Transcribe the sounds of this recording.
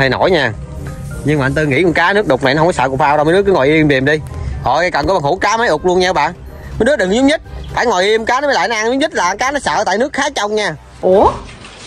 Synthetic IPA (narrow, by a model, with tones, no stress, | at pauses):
ə˧˩jno̰˧˩˦jɲaː˧˩ | ɲɨ˧ŋɓa̰ː˨˧nt̪ɨ˧ŋḭ˧˥kɔ˨˩kaː˨˦nɨ˦˥ək̚ɗʊ˨˩k͡p̚na˨˩jnɔ˦ɦŋ͡mkɔ˨˦sə̰ː˧k̚faː˧wɗa˧mə˨˦ɨ˦˥kɨ˨˦ŋɔ˨˩jʔi˧əmɗi˨˩əmɗi˧hɔ˨˩jkə˨˩nkɔ˨˦ɓa˨˩ŋhu˧˩˦kaː˨˦ma˨˦jʔʊ˨˩k͡p̚lu˧ənɲaː˧˦ɓa̰ː˧˨n | mə˨˦ɗɨ˦˥ɗɨ˨˩ŋzʊ˨˦ŋ͡m̚ɲə˦˥t̚faː˧˩jŋɔ˨˩jʔi˧əmkaː˨˦n˨˦mː˨˦la̰ː˧˨nɔ˦ʔa˧ŋzʊ˨˦ŋ͡mɲi˦˥t̚laː˨˩˨kaː˨˦nɔ˨˦sə̰ː˧˨t̪a̰ː˧˨nɨ˦˥əkxaː˨˦t͡ɕɔ˧wŋ͡mɲaː˧˩ | ʔu˨˩